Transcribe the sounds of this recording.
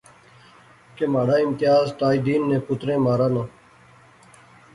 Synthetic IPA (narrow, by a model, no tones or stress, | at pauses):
kemaːɽaːɪmt̪ɪjaːzt̪aːid̪iːnːeːpʊt̪ɾẽːmaːɾaːnãː